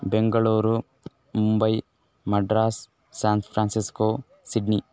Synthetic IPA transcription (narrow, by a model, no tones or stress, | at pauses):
beŋɡɐɭuːɾu | mumbɐj | mɐɖɾaːs | saːnpʰɾaːnsiskoː | siɖni